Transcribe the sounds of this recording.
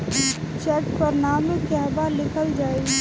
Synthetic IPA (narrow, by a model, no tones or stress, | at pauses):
t͡ʃɛʈpəɾnaːmekeɦbalɪkʰəld͡ʒaːe